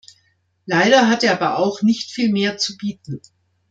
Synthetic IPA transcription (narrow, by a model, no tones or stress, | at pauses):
laɪɾɐɦateːɐʔaːbɐʔaʊxnɪçtfiːlmeːɐt͡subiːtn̩